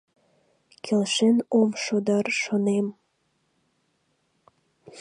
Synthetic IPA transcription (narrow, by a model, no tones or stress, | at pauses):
kʰelʃenomʃod̪ɑrʃonem